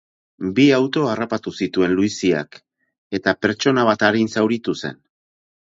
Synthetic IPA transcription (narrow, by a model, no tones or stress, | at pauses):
biawt̪o̞arapat̪usit̪ue̞nluisia̰k | e̞t̪ape̞ɾt͡ʃo̞naβ̞at̪aɾinsawɾit̪use̞̰n